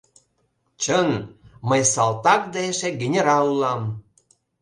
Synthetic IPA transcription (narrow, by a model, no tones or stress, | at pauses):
t͡ɕənməjsɑlt̪ɑk̚d̪ɑeʃeɡenʲeɾɑlulɑm